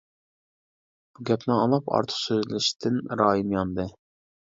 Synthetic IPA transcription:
b̥uɡʲɛpnɪɑlˠɑpɑ̰ɾt̪ʰə̥qsøzlɪʃt̪ʰɪnɾɑːjinjɑnd̪ɨ

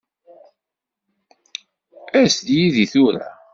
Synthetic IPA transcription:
æsd̪jiðiθuɾæ̰

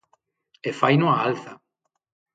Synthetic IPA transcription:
efajnoaalθa

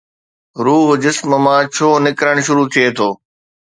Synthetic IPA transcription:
ɾuːɦd͡ʑɪsməmãːt͡ɕʰoːnɪkɾəɽ̃ʃ̬ʊɾut̪ʰijet̪ʰoː

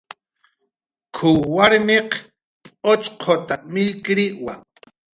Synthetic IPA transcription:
kʰuwaɾmeq | ot͡ʃqʰot̪amɪlkɾiʔwa

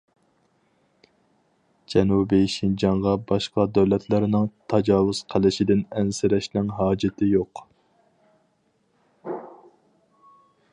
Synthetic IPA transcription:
d͡ʒɛnubiʃind͡ʒɑɴʁɑbɑʃqɑd̪æwlɛt̪ʰlɪɾnɪŋt̪ʰɑd͡ʒɑːwʊz̥qʰælɪʃɪd̪ɪnɛnsɪɾɛʃnɪŋɦɑːd͡ʒɪt̪ʰɪjoq

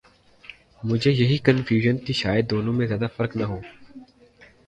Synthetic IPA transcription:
mʊd͡ʒʱeːjɐɦiːkənfʰjuːʒənt̪iːʃaːjəd̪̚ːoːnõːmẽzjaːd̪aːfəɾknaɦoː

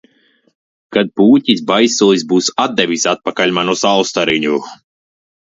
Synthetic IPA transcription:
kad̪̚puːtʲisbajsɔːlisbuːsad̪̚d̪ɛvʲisat̪̚pakalʲmanusalˠst̪aɾiɲʲu

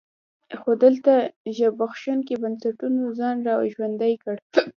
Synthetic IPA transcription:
xod̪əlt̪aʒabaxʃankebansaʈunozɑnɾɑʒwand̪ajkəɽ

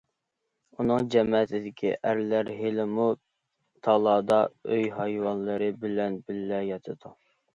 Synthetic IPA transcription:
unɨŋd͡ʒɛmt̪ʰɪd̪ɪkʲʰḭʔæɾlæɾɦelɪmu | t̪ʰɑlˠɑːd̪ɑøjɦɑjwɑnlˠɨɾɨbɪlɛnbɪlːɛjɑt̪ʰɨd̪u

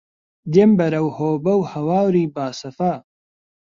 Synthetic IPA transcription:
d̪embɐɾɐwhoːbɐwhɐwaːwɾiːbaːsɐfaː

